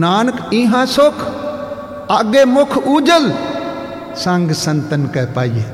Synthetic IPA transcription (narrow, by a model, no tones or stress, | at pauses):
naːnkĩːɦãsokʰ | aːɡeːmʊkʰuːd͡ʒəl | sãŋɡsənt̪ənkeːpaːije